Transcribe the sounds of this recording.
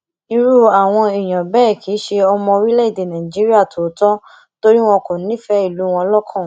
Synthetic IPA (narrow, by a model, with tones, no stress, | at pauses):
ĩ˧ɾu˦a˨w̃ɔ̃˧i˨j̃ã˨bɛː˦˨kʰi˨˦ʃe˧ɔ˧mɔ̃˧ɾi˦lɛ˦i˦˨de˨nã˨ĩ˨d͡ʒi˨˦ɾi˦a˦˨tʰo˨˦tɔ˦ | to˦ɾi˦w̃ɔ̃˧kũ˨˦ĩ˦fɛ˦i˦˨lu˨˦w̃ɔ̃˧lɔ˦kʰɔ̃˦˨